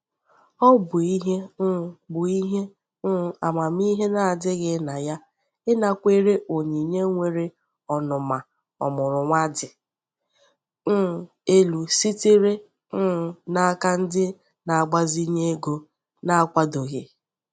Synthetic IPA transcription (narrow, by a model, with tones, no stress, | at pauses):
ɔ˦bʊ˨i˦ɦe˦n̩˦˨bʊ˨i˦ɦe˦ | n̩˦˨a˨ma˨m˦i˦ɦe˦na˨a˨dɪ˦ɣɪ˨˦na˨ja˦ | ɪ˦na˨kʷe˦ɾe˦ʔo˨ɲi˨ɲe˦ŋʷe˨ɾe˦ | ɔ˨nʊ˨ma˨ | ɔ̰˨mʊ˨ɾʊ˨ŋʷa˦dɪ˨ | n̩˦˨ | e˦lu˨si˦ti˦ɾe˦ | n̩˦˨na˨a˦ka˦n̩˦dɪ˦ | na˨a˨ɡ͡ba˦zi˦ɲe˦ɡo˦ | na˦a˦kʷa˦do˨ɣe˨